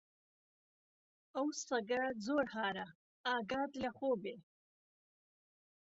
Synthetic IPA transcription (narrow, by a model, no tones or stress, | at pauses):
awsaɡad͡zoːɾhɑːɾa | ɑːɡɑːd̪laχoːbe